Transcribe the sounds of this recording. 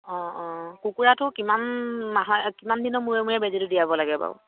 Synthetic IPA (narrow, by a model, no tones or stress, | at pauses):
ɔ̃ɔ̃kukuɹatʊkimanmaɦkimandinɔmuɹɛmuɹɛbɛziludijabɔlaɡɛba̰ʊ